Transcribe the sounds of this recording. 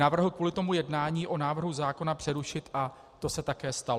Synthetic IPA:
avr̩ɦl̩kvuːlɪt̪o̞mujɛdnaːɲiːʔo̞naːvr̩ɦuzaːko̞napr̝̥ɛɾuʃɪt̪ʔa | t̪o̞sɛt̪akɛːst̪al

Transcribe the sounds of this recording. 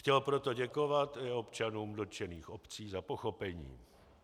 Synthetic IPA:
xcɛlpɾot̪o̞ɟɛko̞vat̪ɪo̞pt͡ʃanuːmdot͡ʃɛniːxopt͡siːzapo̞xo̞pɛɲḭː

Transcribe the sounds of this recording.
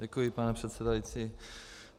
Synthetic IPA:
ɛkujipanɛpr̝̥ɛt̪sɛdajit͡si

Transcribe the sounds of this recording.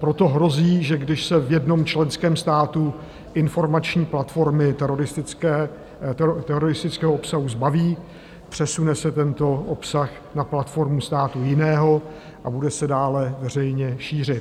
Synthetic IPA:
pɾo̞t̪o̞ɦɾo̞ziːʒɛɡdɪʃsɛvjɛdno̞mt͡ʃlɛnskɛːmst̪aːt̪u | ʔɪnfo̞ɾmat͡ʃɲiːplat̪fo̞ɾmɪt̪ɛɾoɾɪst̪ɪkɛ | t̪ɛɾoɾɪst̪ɪt͡skɛːɦoopsaɦuzbaviː | pr̥ɛsunɛsɛt̪ɛnt̪o̞ʔopsax | naplat̪fo̞ɾmust̪aːt̪ujɪnɛːɦo̞ | ʔabudɛsɛdaːlɛvɛr̝ɛjɲɛʃiːr̝ɪt̪

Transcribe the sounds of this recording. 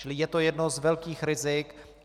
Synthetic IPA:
ɪlɪjɛt̪ojɛdnozvɛlkiːxɾɪzɪk

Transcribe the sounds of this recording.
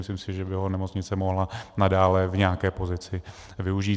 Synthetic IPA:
ɪslɪmsɪʒɛbɪɦonɛmo̞t͡sɲɪt͡sɛmo̞ɦlanadaːlɛvɲɛakɛːpo̞zɪt͡sɪ | vɪuʒiː

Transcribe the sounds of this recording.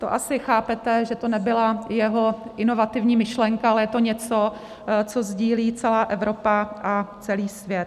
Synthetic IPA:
t̪o̰ʔasɪxaːpɛt̪ɛʒɛt̪o̞nɛbɪlajɛɦo̞ʔɪno̞vat̪ɪvɲiːmɪʃlɛŋkaalɛjɛt̪o̞ɲɛt͡so̞ | t͡so̞zɟiːliːt͡sɛlaːʔɛvɾo̞paʔat͡sɛliːsvjɛt̪

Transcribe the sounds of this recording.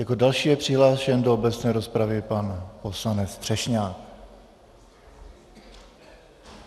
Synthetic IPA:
jako̞dalʃiːjɛpr̥ɪɦlaːʃjɛndoobɛt͡snɛːɾo̞spɾavɪpanposlanɛt͡st̪r̥ɛʃɲaːk

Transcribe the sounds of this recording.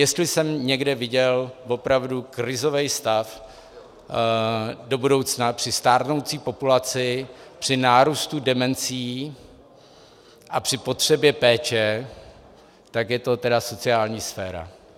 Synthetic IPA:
jɛst̪lɪsɛmɲɛɡdɛvɪɟɛlvo̞pɾavdukɾɪzo̞vɛjst̪af | do̞budo̞wt͡snapr̥ɪst̪aːɾno̞wt͡siːpo̞pulat͡sɪpr̝̥ɪnaːɾuːst̪udɛmɛnt͡siː | ʔapr̥ɪpo̞t̪r̝̥ɛbjɛpɛːt͡ʃɛ | t̪akjɛt̪o̞t̪ɛdaso̞t͡sɪaːlɲiːsfɛːɾa̰

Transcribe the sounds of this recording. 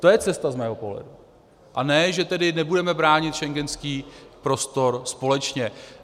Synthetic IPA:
t̪o̞jɛt͡sɛst̪azmɛːɦo̞po̞ɦlɛ̰du | ʔanɛːʒɛt̪ɛdɪnɛbudɛmɛbɾaːɲɪt̪ʃɛŋɡɛnskiːpɾo̞st̪o̞ɾspo̞lɛt͡ʃɲɛ

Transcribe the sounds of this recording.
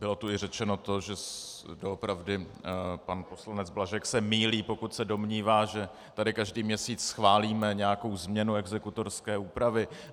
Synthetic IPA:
bɪlo̞t̪uɪrɛt͡ʃɛno̞t̪o̞ʒɛsdoopɾavdɪ | panpo̞slanɛd͡zblaʒɛksɛmiːliːpo̞kut̪sɛdo̞mɲiːvaːʒɛ | t̪adɪkaʒdiːmɲɛsiːt͡ssxvaːliːmɛɲɛjako̞wzmɲɛnuɛɡzɛkut̪o̞ɾskɛːuːpɾavɪ

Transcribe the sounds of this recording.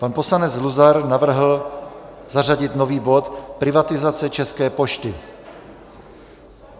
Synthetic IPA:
panposlanɛd͡zluzaɾnavr̩ɦl̩ | zaraɟɪt̪noviːbot̪pɾɪvat̪ɪzat͡sɛt͡ʃɛskɛːpoʃt̪ɪ

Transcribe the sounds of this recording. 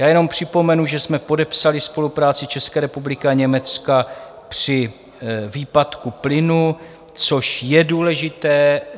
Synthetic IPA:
jaːjɛno̞mpr̝̥ɪpo̞mɛnuʒɛsmɛpo̞dɛpsalɪspo̞lupɾaːt͡sɪt͡ʃɛskɛːɾɛpublɪkɪaɲɛmɛt͡ska | pr̝̥ɪ | viːpat̪kuplɪnu | t͡so̞ʃjɛduːlɛʒɪt̪ɛː

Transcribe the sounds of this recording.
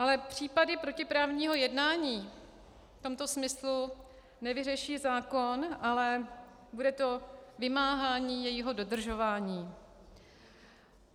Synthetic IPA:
ʔalɛpr̝̥iːpadɪpɾo̞cɪpɾaːvɲiːɦo̞jɛdnaːɲiː | ft̪o̞mt̪o̞smɪslu | nɛvɪrɛʃiːzaːko̞nʔalɛ | budɛt̪o̞vɪmaːɦaːɲiːjɛjiɦo̞do̞dr̩ʒo̞vaːɲiː

